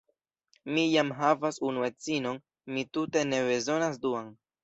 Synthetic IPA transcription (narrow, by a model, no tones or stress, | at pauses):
mijamɦavasunue̞t͡sino̞n | mitute̞ne̞be̞zo̞nas̬duan